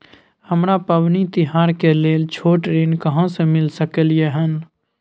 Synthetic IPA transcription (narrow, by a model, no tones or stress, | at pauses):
həmɾapəʋnit̪ɪɦaːɾkeleːlt͡ʃʰoːʈɾeːnkəɦãsemɪlsəkəlieɦən